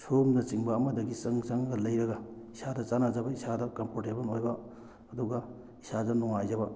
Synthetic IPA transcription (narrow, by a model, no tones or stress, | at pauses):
somnɐt͡ʃiŋbɐːmɐdɐɡisɐŋt͡ʃɐŋɡɐlɐjɾɐɡɐisadɐt͡ʃanazɐbɐisadɐkɐmpʰoɾtebɐnojbɐː | duɡɐ | isadɐnuŋajzɐbɐ